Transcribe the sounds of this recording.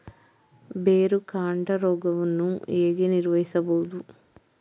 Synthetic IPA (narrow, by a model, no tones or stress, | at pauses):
beːɾukaːɳɖɐɾɔːɡɐʋunːueːɡeniɾʋɐɦisɐboːd̪u